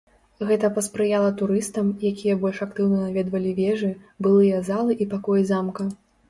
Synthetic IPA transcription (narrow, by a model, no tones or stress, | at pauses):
ɣɛt̪ɐpɐspɾɨjalˠɐt̪uɾɨst̪ɐmjakʲijɐbɔlʲʂakt̪ɨwnɐnavʲɛd̪vɐlʲivʲɛʐɨbɨlˠɨjɐzalˠɨʔipakɔjizamkɐ